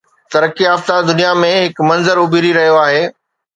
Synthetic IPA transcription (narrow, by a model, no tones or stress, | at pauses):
t̪ɐɾəkiaːft̪ad̪ʊnijamẽɦɪkmɐ̃nzəɾʊbʱiɾiɾɐɦijoaːɦeː